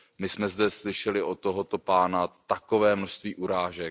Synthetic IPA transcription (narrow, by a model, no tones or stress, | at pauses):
mɪsmɛzdɛslɪʃɛlɪʔot̪ːoɦot̪o̞paːnat̪akovɛːmnoʃst̪viːʔuɾaːʒɛk̚